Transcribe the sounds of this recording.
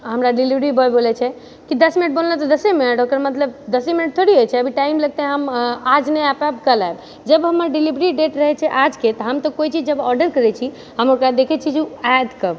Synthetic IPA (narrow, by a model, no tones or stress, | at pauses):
ɦəmɾaɖilibɾibəlbolɛt͡ʃʰɛ | kid̪əsminəʈ̚bollət̪ɔd̪əsɛminəʈokəɾmət̪ləb̚d̪əsɛminəʈ̚t̪ʰoɽiɦojt͡ʃʰɛəbʱiʈaimləɡ̚t̪ɛɦəmad͡ʒneapabkəlaeb | d͡ʒəbɦəmːəɾɖilibɾiɖeʈɾəɦɛt͡ʃʰɛʔad͡ʒket̪ɔɦəmt̪ɔkoit͡ʃʰid͡ʒd͡ʒəbɔɾɖəɾkəɾɛt͡ʃʰi | ɦəmokɾad̪ekʰɛt͡ʃʰid͡ʒead̪kəb